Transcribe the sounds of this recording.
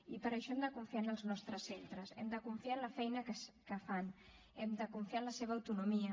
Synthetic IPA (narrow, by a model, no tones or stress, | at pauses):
ipəɾəʃɔɛmd̪əkuɱfianəlˠznɔst̪ɾəsent̪ɾəsɛ̰md̪əkuɱfianlɐfɛjnəkəskəfan | ɛmd̪əkuɱfianləseβ̞ɐːwt̪unumiə